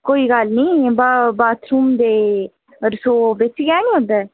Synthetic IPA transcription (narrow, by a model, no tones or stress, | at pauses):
koːiːɡalnĩːbabaːt̪ɾuːmd̪eː | ɾsoːbet͡ʃiɡaːnĩɦõːnd̪ɛː